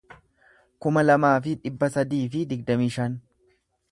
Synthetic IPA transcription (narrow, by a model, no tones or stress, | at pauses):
kʊmɐlɐmaːfɪᶑɪbːɐsɐd̪iːfɪd̪ɪɡ̚d̪ɐmiːʃɐn